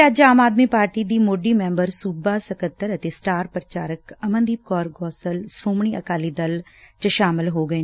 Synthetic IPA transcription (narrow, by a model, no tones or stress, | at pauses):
əd͡ʒaːmaːd̪miːpaːɾʈiːd̪iːmoːɖiːmɛ̃ːmbəɾsuːbaːsəkət̪ːəɾət̪eːsʈaːɾpɾət͡ʃaːɾəkəmə̃nd̪iːb̚kɔːɾɡɔːsəlsɾuːmɳ̃iːʔəkaːliːd̪əlt͡ʃəʃaːmɪlɦoːɡəeː